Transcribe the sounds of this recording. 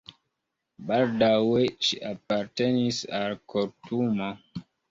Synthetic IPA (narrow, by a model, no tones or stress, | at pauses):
baldaweʃiʔap̚aɾtenisalkʰoɾtuma